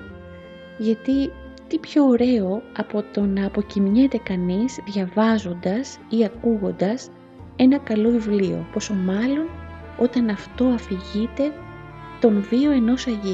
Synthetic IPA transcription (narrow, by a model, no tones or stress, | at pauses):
ʝɐt̪i | t̪ipço̞ːɾe̞o̞ɐpo̞t̪o̞nɐːpo̞cimɲet̪e̞kɐnizðʝɐvɐzo̞nd̪ɐsiɐkuɣo̞nd̪ɐs | e̞nɐkɐlo̞ivlio̞̰po̞so̞mɐlo̞n | o̞t̪ɐnɐft̪o̞ɐfiʝit̪e̞ | t̪o̞nvio̞e̞no̞sɐʝi